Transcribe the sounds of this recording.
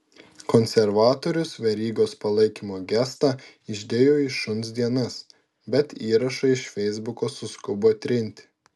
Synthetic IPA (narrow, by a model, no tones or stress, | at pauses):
kɔnʲsʲɛɾʋɑːt̪oːɾʲʊsʋʲɛɾʲiːɡoːspɐlˠɐɪkʲimoːɡʲæst̪ɑ | ɪʒʲd̪ʲeːjoːɪʃʊnsd̪ʲiɛnɐs | bʲɛt̪iːɾɐʃɐɪʃfʲɛɪzbʊkoːsʊskʊboːt̪ʲɾʲɪnʲt̪ʲɪ̥